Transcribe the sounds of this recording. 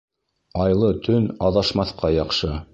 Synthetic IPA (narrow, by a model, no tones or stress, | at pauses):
ɑjlˠɤt̪ʰɵnɑðɑʃmɑθqɑjɑqʃɤ